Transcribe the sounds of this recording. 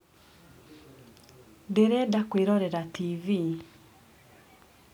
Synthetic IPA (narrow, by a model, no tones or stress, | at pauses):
deɾɛdakweɾɔɾɛɾativi